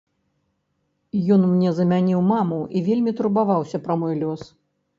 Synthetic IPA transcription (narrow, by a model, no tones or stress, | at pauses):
jɔnmnʲɛzɐmʲanʲiwmamuivʲelʲmʲit̪uɾbavawsʲɐpɾɐmɔjlʲɔs